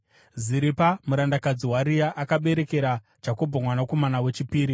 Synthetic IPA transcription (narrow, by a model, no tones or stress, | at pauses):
ziɾipamuɾandakad͡ziɦwaɾijaʔakaɓe̞ɾe̞ke̞ɾḁ | d͡ʒako̞bʱamwanako̞manawe̞t͡ʃipiːɾi